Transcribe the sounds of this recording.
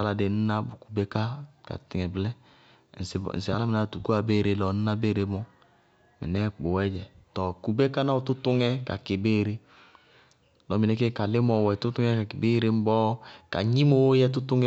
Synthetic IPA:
a˨la˨de˨n̩˦na˦bu˨ku̥˨be˦ka˦ka̰˨tɪ˨ŋɛ˨blɛ˦˨ | n̩˨sn̩˨sɪ˨a̰˨la˦mi˨na˦˨tu˨ku˦a˨be˦˨ɾe˨lɔ˨n˦na˦be˦˨ɾe˨˦mɔ˦ | mɛ̰˨nɛ˦k͡po˨wɛ˦d͡ʒɛ˨tɔ˨ku˨be˦ka˦na˦o˨tu˦tʊ˦ŋɛ˦ka̰˨ke˨beː˦˨ɾe˦ | lɔ˨mi˨nɛ˨˦k̬e˦ka˨lɪ˦mɔ˨wɛ˨tu˦tu˦ŋɛ˦ka˨ki˨be˦ɾe˦m̩˦bɔ˦ka̰˨ɲi˦mo˦wjɛ˦t̬u˦tu˦ŋ˦

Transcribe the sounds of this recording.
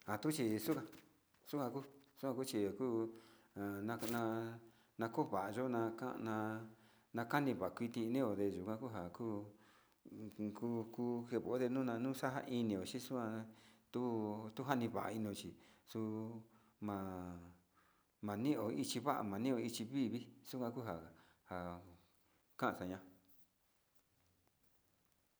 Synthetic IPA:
ha˨t̪u˦t͡ʃi˧su˦kã˧ | su˦kã˧ku˦su˦kʷã˧ku˦t͡ʃi˧˨kuː˦˨ | nã˧nã˧ | nã˧ko˦˧βa˨ʔa˨ʒo˦nã˧kã̰˦˧nã˧ | nã˧ka˦nĩ˧βa˨a˨kʷi˧t̪ĩ˧nĩ˦o˨ðe˧ʒu˨kʷã˧ku˦ɦa˨kuː˦ | ku˧ku˦he˧˨βo˨˦ðe˧nũː˦nã˧nũː˦sa˦ɦa̰˦˧ʔi˧nĩ˧˨o˨t͡ʃi˦su˦ã˧t̪u˦t̪u˦ɦa˦nĩ˧βa˨ʔa̰˨˧i˧nĩ˧o˧t͡ʃi˨su˧ | mã˨ | mã˨nĩ˦ʔo˨i˧t͡ʃi˧βa˦ʔa̰˧˨mã˨nĩ˦˧o˧i˧t͡ʃi˧βi˦βi˦su˦kʷã˧ku˦ɦa˨ | ha˨ | kã˦ʔsa˧ɲã˧

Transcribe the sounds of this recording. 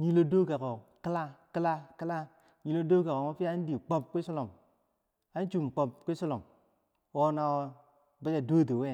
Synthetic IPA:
ɲi˦lo˦do˦ɡa˨ko˨kɨ˦la˦kɨ˦la˦ki˦la˦ | ɲi˨lo˦do˦ɡa˨ko˨mo˦pi˦a˦n˦di˨k͡po˦p̚kʷi˦so˦lo˨m | a˦n˦t͡ʃu˨m˨k͡po˨p̚ki˦so˦lo˨m | wo˦na˨wo˦ | ba˦d͡ʒa˨do˦˨do˨we˦˨

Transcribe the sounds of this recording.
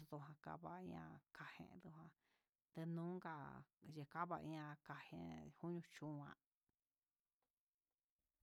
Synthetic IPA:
ðo˧ɦã˧ka̰˧βa˧ĩ˧˦ã̰˧kʰa˧hḛ̃˧d̪u˧ɦã˧ | t̪e˧nũ˦ɡa˧˨je˧ka˦βa˧ĩ˧˦ã˧ka˧hḛ̃˧hu˦ɲũ˧t͡ʃũ˦˧˦ã̰˧

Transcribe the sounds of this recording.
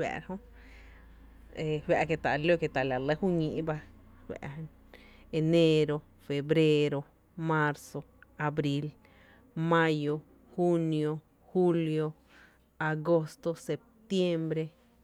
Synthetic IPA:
wa̰˨ɾhõ˦ | e˨˧hwa˧˨ʔke˧t̪a˨ʔljo˦ke˧˨t̪a˨la˨lə˦hu˦ɲĩ˧ʔba˧hwa̰˧ʔ | e˧ne˦ɾo˧ | fe˨bɾe˦ɾo˧ | mã˦˧ɾso˧ | a˧bɾi˦˧l | mã˦jo˧ | hu˦njo˧ | hu˦ljo˧ | a˨ɡo˦st̪o˧se˨p̚t̪je˦mbɾe˧

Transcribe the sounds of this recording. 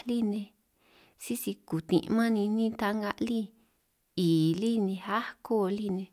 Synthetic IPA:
li˦nẽ˧ | si˦si˧ku˨t̪ḭ̃˧ʔmã˦nĩ˧nĩ˦t̪a˧ŋɡa˧ʔli˦ | iː˨li˦nĩ˧ha˦ko˦˧li˦˨nẽ˧

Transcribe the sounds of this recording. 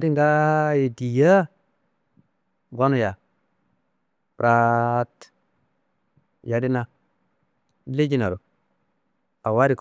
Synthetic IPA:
di˦ŋ˦ɡa˦je˨di˨ja˦ | ɡa˦nu˦˨ja˨ | pɾʔa˦t | ja˨di˦na˦ | le˦d͡ʒi˦na˨ɾo˨ | a˨wa˦ɾi˨k

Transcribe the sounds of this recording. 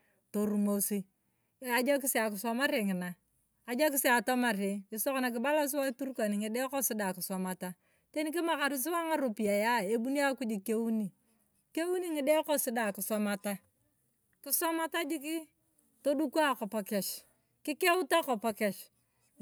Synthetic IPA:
to˨ɾu˨mo˨si˦ | a˨d͡ʒa˦k̬i˦se˦a˨kɪ˨sɔ˦ma˦ɾe˨ŋɪ˨naː˨ | d͡ʒa˦k̬i˦se˦a˨tɔ˦ma˨ɾe˨i˨so˦kna˨k̬ɪ˨ba˦la˦s̬wa˦tu˦ɾka˨ni˨ŋi˨de˦kɔ˦si˦da˨kɪ˨sɔ˨ma˨ta˦ | te˦ni˦k̬i˦ma˨ka˨ɾi˦s̬i˦wa˦ŋa˦ɾu˨pi˨a˨ja˦e˦bu˦ni˦a˦ku˦d͡ʒi˨ke˦wu˦ni˨ | ke˦wu˦ni˦ŋi˨de˦kɔ˦si˦da˨kɪ˨sɔ˦ma˨ta˦ | kɪ˦sɔ˦ma˦ta˦d͡ʒi˦k̬i˦ | to˦du˦ku˦a˦kɔ˨pa˨kɛ˨ʃ | ki˦ke˦u˦ta˦kɔ˨pa˦kɛ˨ʃ

